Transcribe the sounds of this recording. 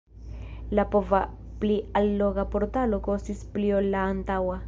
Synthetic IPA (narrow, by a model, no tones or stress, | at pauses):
lapova | plialːoɡapo̞ɾtalo̞ko̞stispliolːaːntawa